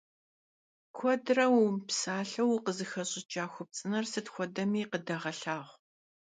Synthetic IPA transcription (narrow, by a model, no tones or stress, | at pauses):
kʷʰɔdrɐwpsaːɬɐwqəzɨxɐɕʼɪt͡ʃʼaːxʷʊp̚t͡sʼɨnɐrsɨtxʷɔdɐmiːqədɐʁɐɬaːʁʷ